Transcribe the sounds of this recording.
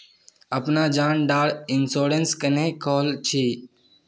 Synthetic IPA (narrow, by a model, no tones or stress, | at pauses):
əpnaːd͡ʒaːnɖaːɽɪnsoːɾənskənẽːkoːlt͡ʃʰiː